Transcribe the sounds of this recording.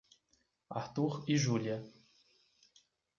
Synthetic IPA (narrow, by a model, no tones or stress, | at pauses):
aɾt̪uɾiʒuliɐ